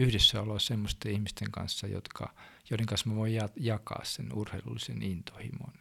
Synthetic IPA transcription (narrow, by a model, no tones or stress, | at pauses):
yhdesːæolosemːost̪eihmist̪eŋkɑ̰nsːɑjo̰t̪kɑ̰joɾeŋkɑnsmɑʋoijɑjɑkɑ̰ːssenurheilulːisenint̪o̥hḭmo̰n